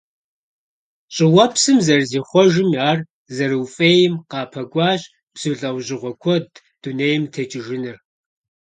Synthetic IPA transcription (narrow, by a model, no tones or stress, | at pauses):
ɕʼɪwɐpsɨmzɐrziːχʷɔʒɪmaːr | zɐrɨwfʼejɪmqɑːpʰɐɡʷɑːɕ | b̥z̥ɨɮʼɐwʑɪʁʷɔkʷʰɔd | d̥uneːjɪmtʰɐt͡ʃʼɪʒɪnɨr